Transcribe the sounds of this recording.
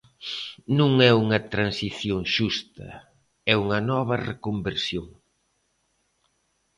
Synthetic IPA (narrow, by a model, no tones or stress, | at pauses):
nũŋɛuŋɐt̪ɾansiθjoŋʃust̪ɐ̰ | ɛuŋɐnɔβɐrekombeɾsjoŋ